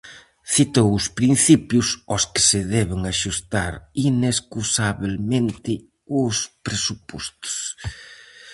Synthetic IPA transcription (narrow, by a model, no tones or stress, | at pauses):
θit̪owʊspɾin̟θipjʊsɔskɪ̥sɪðɛβɪŋaʃust̪aɾineskusaβelmẽnt̪ɪ | ʊspɾesupɔst̪ʊ̥s